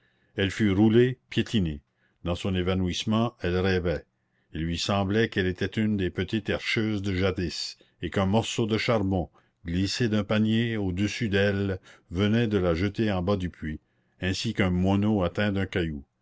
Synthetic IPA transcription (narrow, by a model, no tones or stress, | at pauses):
ɛlfyɾulepjet̪ʰine | d̪ɑ̃sɔ̃nevanuismɑ̃ɛlɾɛvɛ | ilːɥisɑ̃blɛkɛlet̪ʰɛt̪ynd̪epət̪it̪ɛʁʃøːzd̪əʒad̪is | ekɛ̃mɔʁsod̪əʃaʁbɔ̃ | ɡlised̪ɛ̃paɲjeod̪əsyd̪ɛlvənɛd̪əlaʒət̪eɑ̃bad̪ypʰɥi | ɛ̃sikɛ̃mɔnoat̪ɛ̃d̪ɛ̃kaju